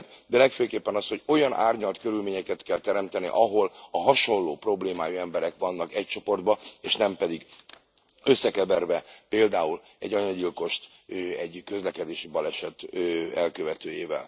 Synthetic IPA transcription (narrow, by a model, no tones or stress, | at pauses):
d̪ɛlɛkføːkeːpːɛnɒsho̞ɟo̞jɒnʔa̰ːrɲɒlt̪kø̞ɾylmeːɲɛkɛt̪kɛlt̪ɛɾɛmt̪ɛnḭʔɒɦo̞lɒɦɒʃo̞nloːpro̞bleːmaːjuɛmbɛɾɛkʋɒnːɒkɛc̚t͡ʃo̞po̞rd̪bɒeːʃnɛmpɛd̪iɡ | ø̞sːɛkɛbɛrvɛpeːld̪aːulɛ̰ɟɒɲɒɟilko̞ʃt̪øɛɟkø̞zlɛkɛd̪eːʃibɒlɛʃɛt̪øːɛlkøvɛt̪øːjeːvɛ̰l